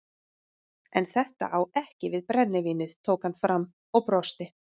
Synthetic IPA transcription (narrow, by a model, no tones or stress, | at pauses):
ɛnθɛht̪a̰ʔawɛhcɪvɪðpɾɛnːɪviːnɪð̥t̪ʰoːwkhanfɾamː | ɔɣpɾɔst̪ɪ